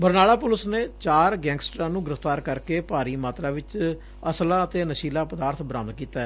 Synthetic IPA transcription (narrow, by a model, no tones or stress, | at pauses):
bəɾnaːlaːpʊləsneːt͡ʃaːɾɡɛ̃ːŋɡsʈɾãːnũːɡɪɾəft̪aːɾkəɾkeːpaːɾiːmaːt̪ɾaːʋɪt͡ʃ | əslãːət̪eːnəʃiːlaːpəd̪aːɾt̪ʰbɾãːmnkiːt̪aːɛ